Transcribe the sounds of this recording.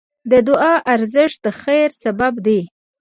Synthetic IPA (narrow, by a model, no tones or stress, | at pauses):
d̪əd̪ʊʔɑʔaɾzɪʂ̚d̪əxajɾsababd̪e